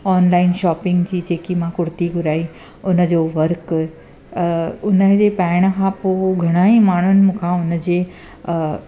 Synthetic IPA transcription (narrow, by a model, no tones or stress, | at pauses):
ɔːnlaːɪnʃaːpɪ̃ŋɡd͡ʑiːd͡ʑeːkimãːkʊɽt̪iɡʱʊɾaːi | ʊnə̆d͡ʑoːʋɐɾk | ʊnəd͡ʑeːpaːɪɽ̃̆kʰãːpoːɡʱɐɽ̃aːimaːɳ̤ʊnɪ̆mũːkʰãʊnə̆d͡ʑeː